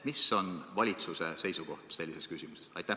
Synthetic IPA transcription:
miso̞nvɑlʲit̪suse̞se̞jsuko̞̰ht̪se̞lʲːiseskysʲimusesɑ̰jt̪æh

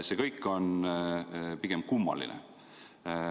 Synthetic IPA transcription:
sekɤjkːˑo̞n | piɡ̥e̞mkumːɑ̰lḭnʔḛ

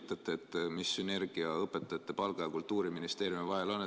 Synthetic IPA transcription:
t̪ˑːɑt̪ːˑeːt̪ːmisːyne̞rɡ̥iɑɤpːˑet̪ːˑɑjɑt̪ːe̞pɑlɡ̥ɑjɑkult̪ːuːɾiminist̪e̞ːɾjumivɑɦelo̞nːe

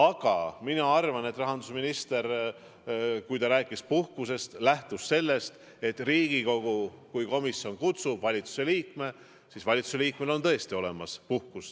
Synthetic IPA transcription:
ɑɡ̥ɑminɑɑrvɑne̞t̪ːˑrɑɦɑnd̪usminist̪e̞ɾ | kujt̪ɑɾæːkːˑispuhkuse̞st̪læht̪usːe̞lːe̞st̪ | e̞t̪ˑriːɡ̥iko̞ɡ̥ukujko̞misːio̞nkut̪sub̥vɑlʲit̪su̥se̞liːkme̞ | siːsvɑlʲit̪su̥se̞liːkme̞lo̞nt̪ɤ̞e̞st̪io̞le̞mɑspuhkus

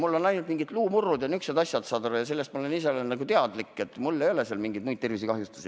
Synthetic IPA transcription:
mulːo̞nɑjnult̪miŋɡid̪luːmurːud̪jɑnyksned̪ɑsʲjɑt̪sɑːd̪oɾɑjɑse̞lːest̪mɑole̞nis̬eolenɑɡut̪e̞ɑd̪likːˑe̞t̪ːˑmulːe̞jo̞leseɑlmiŋɡid̪mujd̪̚t̪e̞rvisikɑɦjust̪u̥si

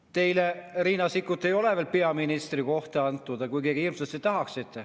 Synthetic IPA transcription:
t̪e̞jleriːnɑsikːˑut̪ːˑe̞jo̞leveːlpe̞ɑminist̪riko̞ht̪eɑnt̪ːˑud̪̥ɑkujkeːɡ̥iilmselt̪set̪ɑɦɑksit̪ːˑe

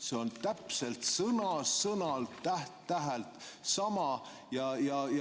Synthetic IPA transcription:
seo̞nt̪æpse̞lt̪sɤnɑsɤnɑlt̪æht̪ːæɦælt̪sɑmɑ | jɑjɑj

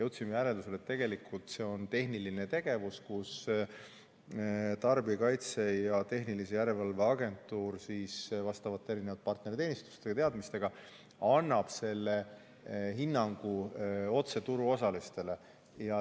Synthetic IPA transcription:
jewt̪simejæɾeld̪use̞let̪ːe̞ɡe̞likʰːˑult̪se̞o̞nt̪e̞ɦniline̞t̪e̞ɡ̥e̞vuskus | t̪ɑrbiɑkɑjt̪se̞jɑt̪e̞ɦnilisejæɾe̞lvɑlve̞ɑɡe̞nt̪ːˑuːrsiːsvɑst̪ɑvɑt̪ːeɾine̞vɑd̪̚pɑrt̪ne̞ɾit̪e̞ːnist̪u̥st̪eɡɑt̪e̞ɑd̪mist̪e̞ɡ̥ɑ | ɑnːɑb̥se̞lːe̞ | ɦinːɑŋɡ̥uo̞t̪se̞t̪uɾuo̞sɑlist̪e̞le̞ | jɑ

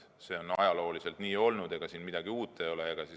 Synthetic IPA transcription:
se̞o̞nɑ̰jɑlo̞ːlise̞lt̪niːo̞lnud̪̥e̞ɡ̥ɑsiːnmid̪̥ɑɡ̥iuːt̪ˑːe̞jo̞leeɡ̥ɑsi

